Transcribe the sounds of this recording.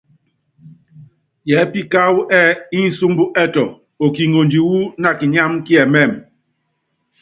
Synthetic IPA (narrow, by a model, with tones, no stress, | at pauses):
jɛ˨˦pi˦ka˦wu˦ʔɛ˦i˦n̩˨su˦mbu˦ʔɛ˦tɔ˨ | o˨ki˨ŋo˨nd͡ʒi˨wu˦na˦˨ki˨ɲa˦mki˦ɛ˨mɛ˦˨m